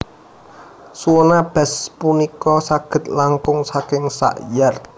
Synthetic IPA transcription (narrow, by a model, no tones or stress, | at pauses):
suɔnab̥ɛ̤spunikɔsaɡ̥ə̤t̪̚laŋkʊŋsakɪŋsa̰ʔjar